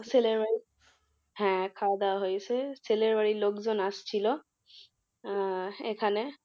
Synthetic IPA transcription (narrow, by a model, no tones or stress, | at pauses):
seleɹaɹi | ɦɛ̃kʰad̪aɦojsɛseleɹbaɹilokzɔnast͡ʃʰilɔ | ekʰanɛ